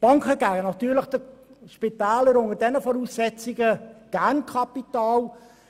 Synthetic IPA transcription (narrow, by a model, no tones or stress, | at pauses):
b̥ɑŋkχəɡ̥æːɡənɑtyːləχd̥əʃpitaːləɾoŋədɛnəfɔɾuːsːɛt͡siɡəɡ̥ænkʰɑpitɑːl